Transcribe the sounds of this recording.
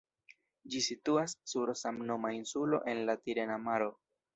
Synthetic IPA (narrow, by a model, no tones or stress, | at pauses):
d͡ʒisituasːuɾsamno̞mainsulo̞̰ʔe̞nlatiɾe̞namaɾo̞